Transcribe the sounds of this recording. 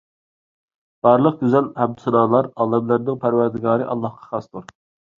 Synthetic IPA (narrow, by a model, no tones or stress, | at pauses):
b̥ɑːɾlˠəq̚ɡʲyzɛlhɛb̚d̪usuɾɑːlˠɑɾɑːlˠɛmlæɾnɪŋpʰæɾwæɾd̪ɪɡɑːɾɨʔɑ̰lˠːɑhqʰɑ̥χɑst̪uɾ